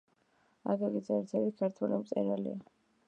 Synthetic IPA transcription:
a̰ɡaɡizɛɾt̪ʰɛbikʰaɾt̪ʰwɛlimt̪sʼɛ̰ɾalḭa

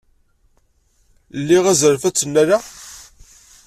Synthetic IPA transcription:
lːiʁæzɾfæt͡sːənːæɾa

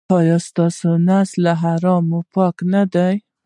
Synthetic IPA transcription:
ɑjɑst̪ɑsonaslaɦaɾɑmopɑknad̪aj

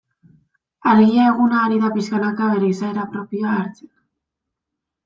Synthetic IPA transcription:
aɾɣiae̞ɣunaːɾiðapiskanakaβ̞e̞ɾe̞isaeɾapɾo̞pioaːɾt͡se̥n

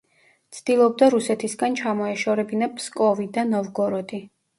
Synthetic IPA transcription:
t̪sʰd̪̥ilˠɔb̚d̪aɾusɛt̪ʰisɡant͡ʃʰamɔɛʃɔɾɛbinapʰskʼɔvid̪anɔvɡɔɾɔd̪i

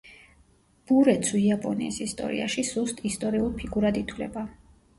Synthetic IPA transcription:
b̥uɾɛt̪sʰuiapʼɔnḭːsist̪ʼɔ̰ɾḭa̰ʃisust̪ʼist̪ʼɔɾiulˠpʰiɡuɾad̪it̪ʰwlɛ̰ba

